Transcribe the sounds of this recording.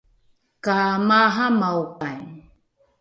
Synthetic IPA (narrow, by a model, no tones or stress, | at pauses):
kamaɦamawkan